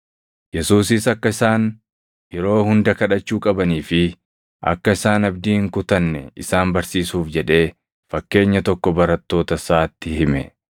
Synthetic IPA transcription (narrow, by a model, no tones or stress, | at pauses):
jɛsuːsɪsɐkːɐɪsaːn | jɛɾo̞ːhʊnd̪ɐkɐᶑɐt͡ʃːuːkʼɐbɐniːfɪ | ʔɐ̰kːɐɪsaːnɐbd̪iːhɪŋkʊt̪ɐnːɛ̰ɪsaːnbɐɾsiːsuːfd͡ʒɛᶑe̞ː | fɐkːe̞ːɲːɐt̪ɔkːɔbɐɾɐt̪ːo̞ːt̪ɐsaːt̪ːɪhɪmɛ̰